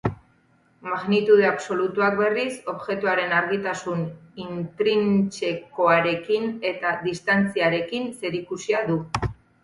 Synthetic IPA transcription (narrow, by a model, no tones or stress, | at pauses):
maɣnit̪uð̞eaβso̞lut̪uak̚be̞riso̞βʝe̞t̪uaɾe̞naɾɣit̪asunint̪ɾint͡ʃe̞ko̞aɾe̞kine̞t̪aðist̪ant͡siaɾe̞kinse̞ɾikusiaðu